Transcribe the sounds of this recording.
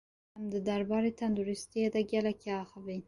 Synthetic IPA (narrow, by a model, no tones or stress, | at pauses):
amd̪əd̪aɾbɑɾet̪and̪uɾɪst̪ied̪aɡʲjalakeɑxawi